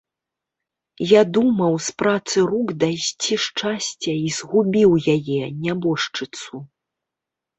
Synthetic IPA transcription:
jad̪umɐwspɾat̪sɨɾuɡd̪ajsʲt͡sʲiʂt͡ʂasʲt͡sʲɐiz̥ɣubʲiwjajɛnʲabɔʂt͡ʂɨt̪su

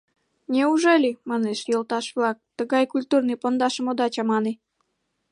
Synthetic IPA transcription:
nʲeuʒelʲimɑneʃjolˠt̪ɑʃβlɑk̚t̪əɣɑjkulʲt̪urnɨjpond̪ɑʃəmod̪ɑt͡ɕɑmɑne

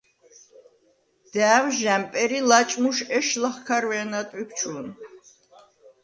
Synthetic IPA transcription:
d̪̥æːwʒæmpʼɛɾilat͡ʃʼmuʃɛʃlaχkʰaɾwɛːnat̪ʼwip̚ʰt͡ʃʰun

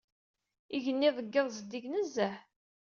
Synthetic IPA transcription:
iʝənːiðˤəɡːəðˤzd̪iʝnəzːæħ

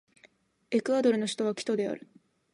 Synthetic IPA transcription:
e̞kɯ̟ad̪o̞ɾɯ̟no̞ɕi̥t̪oβakʲi̥t̪o̞d̪e̞a̰ɾɯ̟

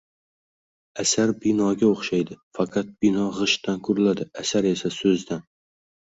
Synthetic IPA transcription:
asaɾbɪnɒɡʲaoχʃajd̪ɪfɑqʰɑt̪̚bɪnɒʁɨʃt̪ankʰʊɾlad̪ɪasaɾe̞sasɵzd̪an

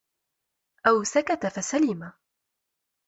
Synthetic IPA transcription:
ʔawsakat̪afasalɪma

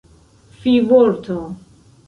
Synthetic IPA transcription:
fivoɾt̪ʰo

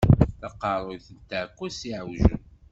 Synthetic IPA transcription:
θɑqɑɾˤojθənt̪aʕkʷːæsiʕwʒə̰n

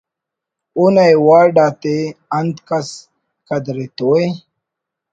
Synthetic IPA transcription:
unajwaːɾɖaːt̪eand̪kas | kad̪ɾet̪owe

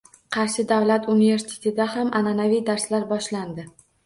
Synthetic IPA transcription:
qʰɑɾʃɪd̪avlat̪unive̞ɾsɪ̥t̪ʰe̥t̪ɪd̪ahamananavijd̪aɾslaɾbɒʃland̪ɪ

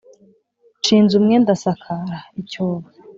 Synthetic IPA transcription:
t͡ʃiːnzumŋendasakʰaɾaicoːβa

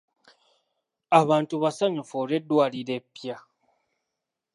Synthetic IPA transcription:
aβaːntuβasaɲefoːɾedwaːliɾe̞pːja

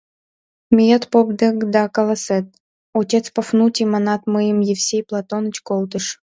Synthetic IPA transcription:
mʲijət̪pobd̪əkd̪ɑkəlˠəsɛt̪̚ | otʲet̪t͡spəfnutʲimanɑt̪mɨjəmjefsʲejplˠat̪onɨ̆t͡ɕkolˠt̪əʃ

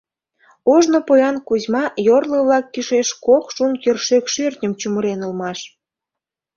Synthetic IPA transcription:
oʒnopojɑnkuzmɑjorləβlɑkːiʃeʃkokʃunkerʃekʃørt̪ʲnʲəmt͡ɕuməɾenolmɑʃ

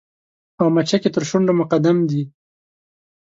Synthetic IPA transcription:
awmat͡ʃaket̪əɾʃʊɳɖomʊqad̪amd̪i

